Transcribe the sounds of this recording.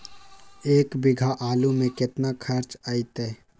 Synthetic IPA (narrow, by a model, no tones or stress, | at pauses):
eːkbɪɡʱaʔaːlumẽkɪt̪nakʰɐɾt͡ʃaːit̪ɛː